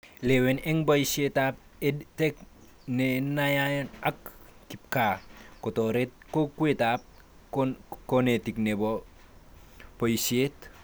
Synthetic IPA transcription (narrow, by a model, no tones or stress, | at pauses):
lewenɛŋbaisietap̚ | etek̚ | nenajajnakkip̚kakotoɾet̚kokwetap̚ | konetiknebo | poisiet